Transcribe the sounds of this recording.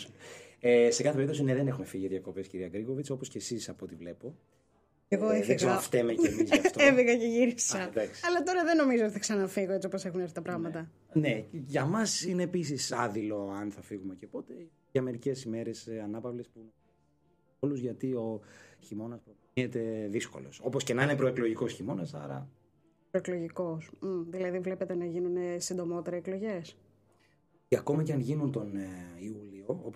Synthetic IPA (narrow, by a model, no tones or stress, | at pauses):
ese̞kɐθepeɾipt̪o̞sineðenexume̞fiʝiðʝɐko̞pesciɾiɐɡɾiɣo̞vit͡so̞po̞sceːsisɐpo̞t̪ivle̞po̞ | eɣoefsɐɐft̪emecmizɐft̪oeviɣɐceʝiɾisɐd̪ɐksi̥ɐlɐt̪o̞ɾɐðeno̞mizot̪i̥θɐksɐnɐfiɣoet͡siopose̞xuneɾθit̪ɐpɾɐɣmɐt̪ɐ | ne̞ʝɐmɐsine̞ːpis̬isɐðilo̞ɐnθɐfiɣume̞ce̞po̞t̪e | ʝɐme̞ɾice̞sime̞ɾe̞sɐnɐpɐvlespun | oluzʝɐt̪io̞çimo̞nɐspɾo | et̪e̞ðisko̞̰lo̞̰so̞po̞sce̞nɐinepɾo̞eklo̞ʝiko̞sçimo̞nɐsɐ̰ɾɐ̰ | pɾoeklo̞ʝiko̞s̩ðilɐðivle̞pe̞t̪e̞nɐʝinunesind̪o̞mo̞t̪eɾeːklo̞ʝe̞s | ɐko̞mɐceɐnʝinunt̪o̞niulioop